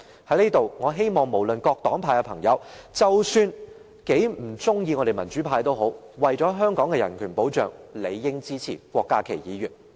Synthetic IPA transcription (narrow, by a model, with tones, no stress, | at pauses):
hɐ˨˧˥jleː˥t̪o˨wŋɔː˨˧ɦe˥jmɔː˨˩ŋmo˨˩wlɵ˨nkɔː˧k̚t̪ɔː˨˥ŋpʰaː˧jkɛ˧pʰɐ˨˩ŋjɐ̰˨˧wt͡sɐ˨wsyː˧n | ke˨˥jm̩˨˩t͡sʊ˥ŋjiː˧ŋɔː˨˧ɾe˨jmɐ˨˩nt͡ʃyː˨˥pʰaː˧jt̪o˥wɦo˨˥w | wɐ˨jt͡sɔː˨˥ɦœː˥ŋkɔː˨˥ŋkɛː˧jɐ˨˩nkʰyː˨˩npo˨˥wt͡ʃœː˨ŋle˨˧jːɪ˥ŋt͡siː˥t͡sʰḭː˨˩kʷɔː˧kːaː˥kʰe˨˩jiː˨˧ɥyː˨˩n